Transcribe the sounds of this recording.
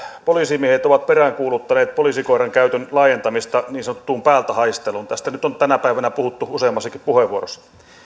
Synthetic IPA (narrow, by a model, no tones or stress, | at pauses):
poliːsimiehet̪oʋɑt̪̚peræːŋkuːlut̪ːɑneːt̪̚polisikoiɾɑŋkæyt̪ønlɑːjent̪ɑmist̪ɑniːnsɑnot̪ːuːmpæːlt̪æhɑist̪eluːnt̪æst̪ænyt̪ont̪ænæpæiʋænæpuhut̪ːuuseːmːɑsːɑkippuheʋuorosːɑ